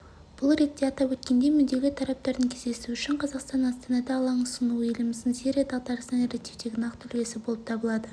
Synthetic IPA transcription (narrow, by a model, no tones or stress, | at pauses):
b̥ʊlˠɾe̞t̪ːe̞ɑt̪ɑpwɵt̪kʲe̞nd̪e̞mʏd̪e̞lʲɪt̪ʰɑɾɑp̚t̪ɑɾd̪əŋkʲʰezd̪e̞suʏʃɪɴqʰɑzɑqst̪ɑnɑst̪ɑnɑd̪ɑːlˠɑɴʊsənuelɪmɪzd̪ɪŋsiɾʲijad̪ɑlˠt̪ɑɾəsnəneɾet̪ʰift̪e̞ɡʲɪnɑqt̪ʰʏɾɡʲe̞sɪbo̞lˠəp̚t̪ʰɑbəlˠɑd̪ə